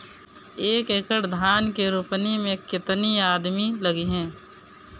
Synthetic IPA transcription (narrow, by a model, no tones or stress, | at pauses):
eːkekəɽd̪ʱaːnkeɾʊpnimẽkɪt̪niaːd̪miləɡiɦɛ̃ː